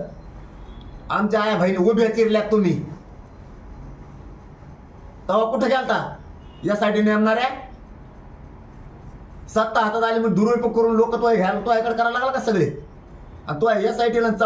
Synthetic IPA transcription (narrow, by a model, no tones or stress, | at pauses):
amt͡ɕaːjabʱəjlobʱek̪iɾljat̪ːum̤iː | t̪əʋakuʈʰeɡɛlt̪a | jasajʈineannaɾja | sət̪ːaɦat̪at̪aliməd̪uɾojpəkəɾuːnlokːət̪uʋajɡʱalat̪uʋaekəɽkəɾalaɡlakasəɡɭe | a̰nit̪uʋajjasaiʈilant͡sa